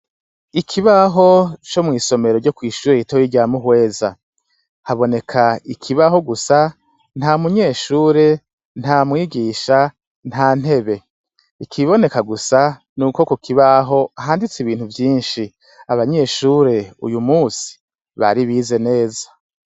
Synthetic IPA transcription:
ikʰiβaɦo̞t͡ʃo̞mŋiːso̞me̞ɾoɾɟo̞kwiːʃuːɾeitojiɟamuɦwe̞ːza̰ | haβo̞ne̞kʰaikʰiβaɦo̞ɡusa | n̥haːmuɲe̞ːʃuːɾe̞ | n̥amŋiːɡiːʃa | n̥haːn̥he̞βe̞ | ikʰiβo̞ne̞kaɡusa | nuːkokokʰiβaɦo̞aɦaːndit͡siβiːn̥huvjiːnʃi | aβaɲe̞ʃuːɾe̞ṵjumuːsi̥ | βa̰ɾiβize̞ne̞ːza

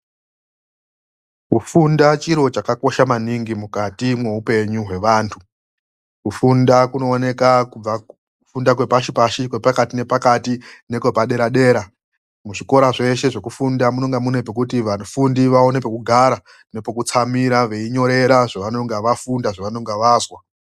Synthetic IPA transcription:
kufundat͡ʃiɾo̞t͡ʃakako̞ʃamaniŋɡimukatimwe̞ɦupe̞ɲuɦwe̞ʋaːntʰu | kufundakuno̞ːne̞kakub͡va | ufundakwe̞paʃipaʃikwepakatine̞pakatine̞kwe̞paɗe̞ɾaɗe̞ːɾa | muʐiko̞ɾaʐe̞ʃe̞ʐe̞kufundamuno̞ŋɡamune̞pek̬utiʋafundiʋao̞nepekuɡʱaɾa | nepokut͡samiɾaʋe̞iɲo̞ɾe̞ɾaʐaʋano̞ŋɡaʋafundaʐaʋano̞ŋɡaʋaːzwa

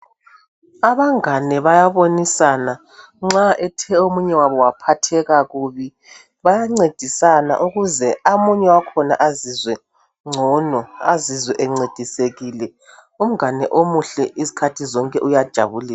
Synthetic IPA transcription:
aβaŋanɛβajaβonisana | ŋ͡ǁaʔɛtʰɛomuɲɛwaβɔwapʰatʰɛɣaɣuβi | βajaŋ͡ǀed̥ʱisana̰ʔuɣuzɛamuɲɛwakʰɔna̰ʔazizwɛ | ŋ͡ǀʱɔnɔazizwɛʔɛŋ͡ǀed̥ʱiseɣilɛ | um̩anɛʔomuɬɛʔizi̥kʰatʰizɔŋkʼɛʔujad̥ʒ̥ʱa̰βuliːla

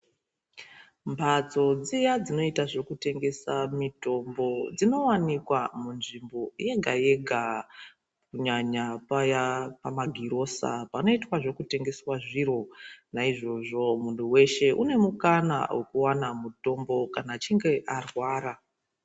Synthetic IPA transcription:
mbʱat͡so̞d͡zijad͡zino̞itaʐe̞kute̞ŋɡe̞samito̞mbo̞d͡zino̞wanikwamunʐimbo̞je̞ɡʱaje̞ɡʱa | kuɲaɲapajapamaɡʱiɾo̞sa̰pano̞itwaʐo̞kute̞ŋɡe̞swaʐiɾo̞naiʐo̞ʐomuntʰuwe̞ʃe̞ʔune̞mukana̰wʔekuwanamuto̞mbo̞kanat͡ʃiŋɡe̞ʔarwaːɾa

